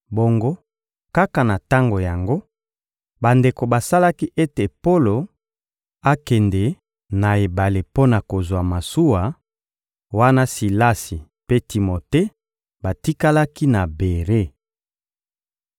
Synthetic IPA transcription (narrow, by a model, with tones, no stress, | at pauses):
bo˨ŋɡo˦ | ka˦ka˨na˨ta˦ŋɡo˨ja˨ŋɡo˦ | ba˨nde˨ko˨ba˨sa˦la˦ki˦ʔe˦te˨po˦lo˨ | a˦kɛ˨ndɛ˨ | na˨e˨ba˨le˨po˦na˨ko˨zwa˨ma˨su˦wa˨ | wa˦na˦si˨la˦si˨ | pe˦ti˨mo˨te˦ | ba˨ti˦ka˦la˦ki˦na˨be˨ʁe˦